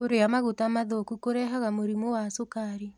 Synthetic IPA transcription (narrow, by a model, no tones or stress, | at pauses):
oɾeamaɣotamaðokukoɾɛɦaɣamoɾimowasokaɾi